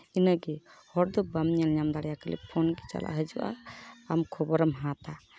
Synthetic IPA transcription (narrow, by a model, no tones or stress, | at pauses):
inəɡɛhɔɽd̪ɔbamɲalɲamd̪aɽɛjakəlḭpʰɔnɡɛt͡ʃa̰lʔa̰ʔɦəd͡ʒuʔa̰ːmkʰɔbɔɾɔmɦãt̪a